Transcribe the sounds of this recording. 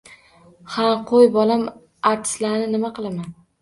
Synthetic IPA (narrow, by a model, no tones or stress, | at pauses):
haqʰojbɒlam | aɾt̪ʰɪ̥slaɾnɪnɪmaqɨlˠaman